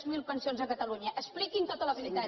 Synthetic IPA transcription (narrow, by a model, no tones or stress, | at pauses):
zmilˠpənsionzəkət̪əluɲəʔəsplikint̪ot̪ələβilit̪a